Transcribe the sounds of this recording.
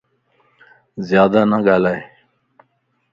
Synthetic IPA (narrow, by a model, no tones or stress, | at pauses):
zjɑːd̪anaɡalaje